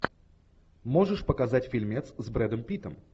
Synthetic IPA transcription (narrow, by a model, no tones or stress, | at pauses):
moʐɨʂpəkɐzatʲfʲɪlʲmʲet̪szbɾɛd̪əmpʲit̪əm